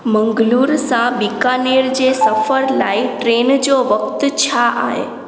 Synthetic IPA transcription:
məŋɡluɾsãbikaneɾd͡ʒesəfəɾlaiʈɾend͡ʒoʋəkt̪t͡ʃʰaʔa̰ɦḛ

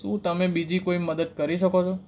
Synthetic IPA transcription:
ũt̪əmebid͡ʒikoiməd̪əd̪̚kəɾiʃəkot͡ʃʰo

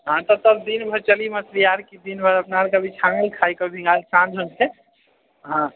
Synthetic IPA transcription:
ɦãt̪ɔt̪əbd̪inbʱəɾt͡ʃəliməsɾijaɾkid̪inbʱəɾəpnaɾkəbʱit͡ʃʰãŋɡəlkʰajkɔbʱĩŋɡalsãnd͡ʒʱonke | ɦã

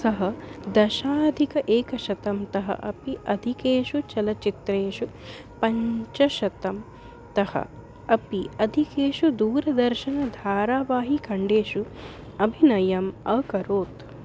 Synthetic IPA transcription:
sɐɦɐd̪ɐʃaːd̪ʱikɐʔeːkɐʃɐt̪ɐmt̪ɐɦɐ̰ʔɐpiʔɐd̪ʱikeːʃut͡ʃɐlɐt͡ʃit̪ɾeːʂu | pɐɲt͡ʃɐʃɐt̪ɐm | t̪ɐhɐ̰ | ɐpiɐd̪ʱikeːʃud̪uːɾɐd̪ɐɾʃɐnɐd̪ʱaːɾaːʋaːɦikɐɳɖeːʃu | ɐbʱinɐjɐmɐkɐɾoːt̪

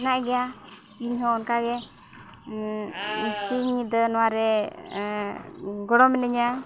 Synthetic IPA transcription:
naʔɛɡɛja | iɲɦɔːnkaɡɛ | siɲid̪ənɔwaɾɛ | ɡɔɽɔmɛnɛɲa

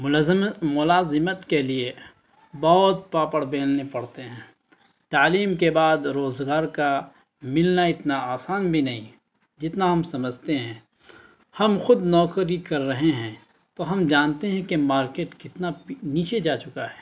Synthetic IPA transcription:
mʊmʊlaːzɪmət̪kelie | bɐɦʊt̪̚paːpəɽbeːlnepɐɽt̪eɦɛ̃ː | t̪aːliːmkebaːd̪ɾoːzɡaːɾka | mɪlnaɪt̪naaːsaːnbʱinɐɦĩ | d͡ʒɪt̪naɦɐmsɐməd͡ʒʱt̪eɦɛ̃ː | hɐmxʊd̪nɔːkɾikɐɾːɐɦeɦɛ̃ː | t̪oɦɐmd͡ʒaːnt̪eɦɛ̃kemaːɾkeːʈkɪt̪naniːt͡ʃed͡ʒaːt͡ʃʊkaɦɛː

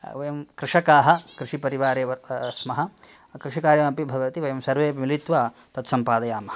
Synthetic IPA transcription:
ʋɐjɐmkɾɪʂɐkaːɦɐ̆kɾɪʂipɐɾiʋaːɾeːʋɐsmɐɦɐ̆ | kɾɪʃikaːɾjɐmɐpibʱɐʋɐt̪iʋɐjɐmsɐɾʋeːʋmilit̪ʋɐ | t̪ɐt̪sɐmpaːd̪ɐjaːmɐɐ

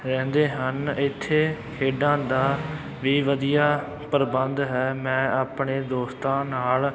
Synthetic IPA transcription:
ɾɛ̃ːnd̪eːɦənɪt̪ʰːeː | kʰeːɖãːd̪aː | ʋiːʋəd̪ijaː | pəɾbənd̪ɦɛːmɛ̃ːaːpɳeːd̪oːst̪ãːnaːl

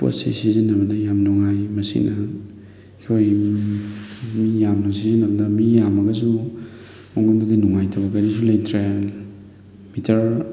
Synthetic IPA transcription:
po̰sḭsizinːɐbɐnɐjamnuŋajmɐsḭnɐ | kʰoj | mijamnɐsizinɐbɐnɐmijamɐɡɐzu | moŋondudinuŋajtʰɐβbɐkɐɾisulɐjt̪ʰɾe | mitʰɐɾ

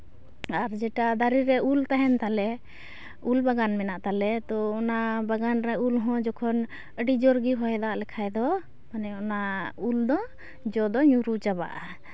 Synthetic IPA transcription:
aɾd͡ʒɛʈad̪aɾiɾɛult̪aɦɛnt̪alɛ | ulbaɡanmɛnaʔt̪alɛt̪ɔɔnabaɡanɾaulɦɔ̃d͡ʒɔkʰɔn | əɖid͡ʒɔɾɡiɦɔɛd̪aʔlɛkʰajd̪ɔ | manɛɔnauld̪ɔ | d͡ʒɔd̪ɔɲuɾut͡ʃaba̰ʔa

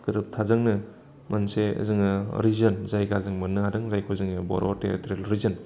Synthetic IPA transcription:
kɯɾɯp̚tʰazɯŋnɯ | mansḛzɯŋɯɾizɐnzajɡazɯŋmɯnːɯadɯŋzajkʰozɯŋɯbɔ̰ɾʔɔtḛtɾelɾizɯn

